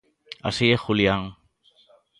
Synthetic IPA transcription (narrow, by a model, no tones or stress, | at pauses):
a̰siexuliaŋ